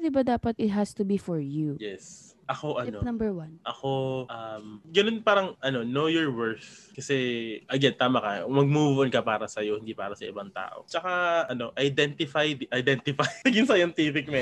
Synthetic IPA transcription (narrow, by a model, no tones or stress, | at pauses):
d̪ɪbad̪aːpɐt̪ɪt̪̚ɦɐst̪ʊbifɔɹjujɛsʔɐko̞ʔɐnonɐmbɛwɐnʔɐko̞ʔɐmɡɐnonpaːɾɐŋʔɐno̞nojoɹwɛɹθkɐsɛʔɐɡɛnt̪aːmɐkɐmɐɡ̚mubbʊʔonkɐpaːɾɐsɐjo̞hɪnd̪ipa̰ːɾɐsɐʔɪ̰baŋt̪a̰ːʔo̞̰t͡ʃɐkaʔɐno̞ʔɐjd̪ɛnt̪ɪfajd̪ʔɐjd̪ɛnt̪ɪfajnɐɡɪnsɐjɐnt̪ifɪk̚mɛ